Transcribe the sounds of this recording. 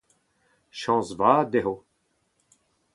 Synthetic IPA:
ʃɑ̃ːzvaːd̪eɦo

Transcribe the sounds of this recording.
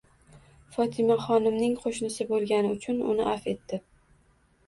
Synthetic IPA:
fɒt̪ʰɪmaχɒnɪmnɪŋqʰoʃnɪsɪbolˠɡʲanɪʊt͡ʃʰʊnʊ̰nɪʔafe̞t̪ːɪ

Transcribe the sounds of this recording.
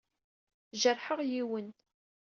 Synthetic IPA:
ʒərˤħəʁjiwən

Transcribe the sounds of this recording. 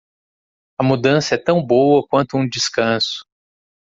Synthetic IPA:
ɐmud̪ɐ̃sɐɛt̪ɐ̃w̃bowɐkwɐ̃nt̪ʊũd͡ʒiskɐ̃sʊ̥

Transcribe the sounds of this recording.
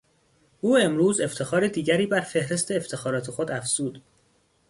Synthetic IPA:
ʔuːe̞mɾuːze̞ft̪ʰe̞xɒːɾe̞d̪iːɟæɾiːbæɾfe̞hɾe̞st̪ʰeːft̪ʰe̞xɒːɾɒːt̪ʰe̞xod̪æfz̥uːd̪̥

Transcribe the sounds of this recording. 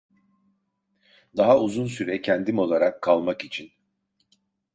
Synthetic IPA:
d̪aɦauzunsyɾɛcʰɛnd̪imo̞lˠaɾakʰːalˠmakit͡ʃʰin

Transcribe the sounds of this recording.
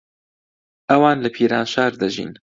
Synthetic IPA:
ʔɐwaːnlɐpʰiːɾaːnʃaːɾd̪ɐʒḭːn

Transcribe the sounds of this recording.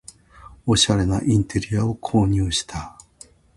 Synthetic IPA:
o̞ɕaɾe̞na̰ʔĩnt̪e̞ɾʲiao̞kʰo̞ːɲ̟ɨːɕi̥t̪ʰa

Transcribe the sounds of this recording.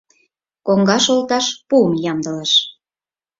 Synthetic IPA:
koŋɡɑʃolt̪ɑʃpuəmjɑmd̪ə̆ləʃ

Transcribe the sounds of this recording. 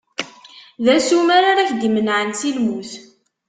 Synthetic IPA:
ðæsumaɾaɾaçd̪imənʕənsilmuθ

